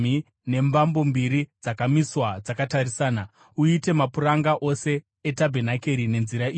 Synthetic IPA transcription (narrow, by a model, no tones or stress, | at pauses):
i | ne̞mbambo̞mbiɾid͡zakamiswad͡zakatarisaːna | uite̞mapuraŋɡaʔo̞se̞ː | tabʱenake̞ɾine̞nziɾaiː